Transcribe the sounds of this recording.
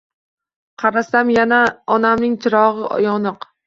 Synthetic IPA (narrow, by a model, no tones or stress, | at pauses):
qʰɑɾasamjanaɒnamnɪŋt͡ʃ̪ʰɪɾɒʁɨʔɒ̰jɒnɨq